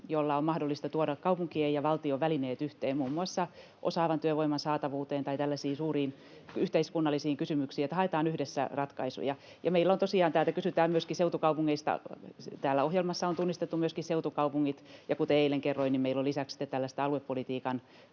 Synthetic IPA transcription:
jolːɑommɑhdolːist̪ɑt̪uoɾɑkkɑupuŋkiejɑʋɑlt̪ioʋʋælineːt̪yht̪eːmmuːmːuɑsːɑ | ʔosɑːʋɑnt̪yøʋoimɑnsɑːt̪ɑʋuːt̪eːnt̪ɑit̪ælːæsiːnsuːriːn | yht̪eiskunːɑlːisiːŋkysymyksiːet̪ːhɑet̪ɑːnyhdesːæ̰rɑt̪kɑ̰isṵjɑ | jɑmeilːæont̪osiɑːnæːlt̪ækysyt̪æːmmyøskiseut̪ukɑupuŋːeist̪ɑ̰t̪æːlːæohjelmɑsːɑont̪unːist̪et̪ːumyøskisseut̪ukɑupuŋːit̪jɑkut̪eeilːeŋkerːoinimmeilːolisæksi̥t̪et̪t̪ælːæst̪æɑluepːolit̪iːkɑn

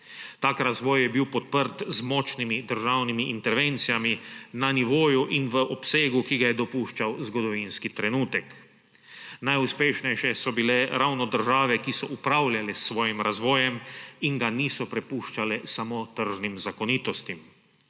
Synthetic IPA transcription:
t̪aːkɾazʋɔːjjɛbiwpɔt̪̚pəɾt̪zmɔːt͡ʃnimid̪əɾʒawnimiʔint̪ɛɾʋent̪sijaminaniʋoːjuʔinʋəʔɔpseːɡukiɡajɛd̪ɔpuːʃt͡ʃawzɡɔd̪ɔʋinskit̪ɾɛnuːt̪ɛk | najuspeːʃnɛjʃɛsɔbilɛɾawnɔd̪əɾʒaːʋɛkisɔʔupɾawlʲjalɛsːʋɔːjimɾazʋɔːjɛmiŋɡaniːsɔpɾɛpuʃt͡ʃalɛsamot̪əɾʒnimzakɔniːt̪ɔst̪im

